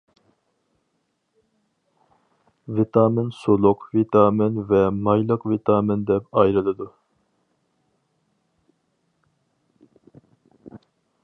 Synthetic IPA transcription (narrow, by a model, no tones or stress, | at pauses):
vit̪ʰɑːmɪnsolˠʊqvit̪ʰɑːmɪnvɛmɑjlˠəqvit̪ʰɑːmɪnd̪ɛpɑjɾɨlˠɨd̪u